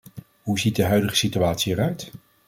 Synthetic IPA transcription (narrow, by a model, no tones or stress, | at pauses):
ɦuzit̚dəɦœɥdəχə̥sityaːtsiɛrœɥt